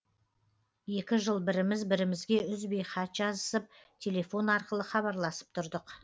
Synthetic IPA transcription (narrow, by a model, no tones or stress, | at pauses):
je̞kʲɪʒəlˠbɪɾɪmɪzbɪɾɪmɪzɡʲe̞ʏzbejχɑt̪ʒ̥ɑzəsəp̚t̪ʲʰe̞le̞fo̞nɑɾqəlˠəχɑβɑɾlˠɑsə̥p̚t̪ʰʊɾd̪əq